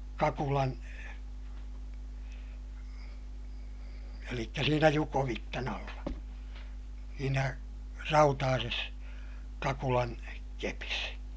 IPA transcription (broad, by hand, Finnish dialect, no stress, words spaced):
kɑkulɑn elikːæ siːnæ jukoʋitːɑn ɑlːɑ siːnæ rɑutɑːses kɑkulɑn kepis